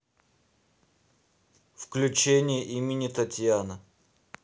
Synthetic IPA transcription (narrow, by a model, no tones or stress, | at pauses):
fklʲʉt͡ɕenʲɪjəʔimʲɪnʲɪt̪ɐtʲjanə